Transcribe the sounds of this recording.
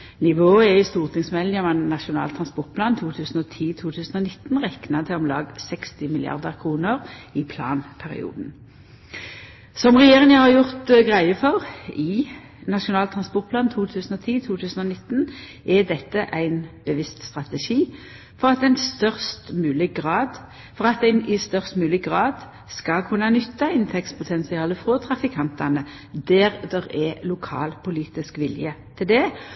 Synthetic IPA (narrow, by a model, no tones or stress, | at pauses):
nɪʋoːəɛɪst̪uːʁt̪ɪŋsmɛləmɛnnɑʃʊnɑ̰ːlt̪ʰʁɑnspɔʁt̪̚plɑːnt̪ʰuːt̪ʰʉːsn̩ɔt̪ʰiːt̪ʰuːt̪ʰʉːsn̩ɔnɪt̪ːnʁɛknɑt̪ʰɪlɔmlɑ̰ːɡsɛkst̪ɪmɪlɪɑ̰ʁd̪əʁkʰʁuːnəʁɪpʰlɑ̰ːnpʰæʁɪ̰ṵːd̪n̩ | sɔmʁɛjeːʁɪŋəhɑʁjʊʁt̪ɡʁæɪəfɔʁɪ | nɑʃʊnɑːlt̪ʰʁɑnspɔʁt̪̚pʰlɑːnt̪ʰuːt̪ʰʉːsn̩ɔt̪ʰiːt̪ʰuːt̪ʰʉːsn̩ɔnɪt̪ːn | ʔɛd̪ɛt̪ːəʔæɪnb̥əʋɪst̪st̪ʁɑt̪əʂiː | fɔʁɑt̪d̪æɪnst̪œʁst̪mʉːlɪɡʁɑːd̪ | fɔʁɑt̪̚ɛnʔɪst̪œʁst̪mʉːlɪɡʁɑːd̪ | skɑlkʰʉnːɑnʏt̪ːɑɪnt̪ʰɛk̚t̪spʰʊt̪ʰɛnsɪɑːləfʁoːt̪ʰʁɑfɪkʰɑnt̪ɑnə | d̪æːʁd̪ɛʁɛlʊkʰɑ̰ːlpʰʊliːt̪ɪskʋɪljət̪ʰɪld̪ɛ